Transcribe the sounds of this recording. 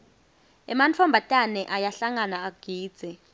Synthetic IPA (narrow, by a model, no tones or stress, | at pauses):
ɛ̰mant͡fʰɔmbʱatʼanɛʔajaɬaŋanaːɡ̥ʱiːd̥z̥ʱɛ